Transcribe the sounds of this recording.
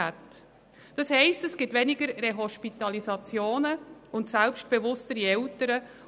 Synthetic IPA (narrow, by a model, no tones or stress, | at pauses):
æt | d̥ɑshɛɪstɛsɡ̥ɪtvɛnɪɡəɾreɦɔʃpitɑlizɑt͡sjoːnəʊntsɛlpʃt̚b̥evʊstəɾiɛltəɾə